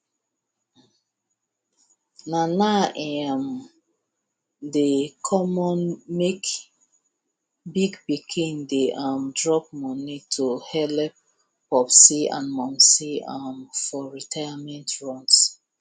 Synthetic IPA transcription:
nanaʔɛm | dekʰɔmɔ̃nmek | biɡbikʰĩndeʔɔmdɹɔp̚mɔnitʰohɛlɛp̚ | pɔpsiã̰nmɔ̃msiamfɔɹitʰajamɛ̃ntʰɹɔ̃ns

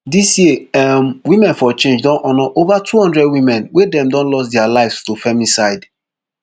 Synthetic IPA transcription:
disjemwimɛ̃nfɔt͡ʃẽnd͡ʒdɔ̃nʔɔnɔʔovatʰuhɔ̃ndɹɛdwimɛ̃nwedɛ̃mdɔ̃nlɔsdɛalaɪvstufɛmisaɪd

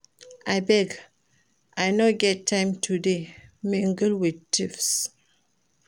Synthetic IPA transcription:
ʔaɪbɛɡ | ʔajnoɡɛtʰːãɪ̃mtʰudemĩŋɡlwid̚tifs

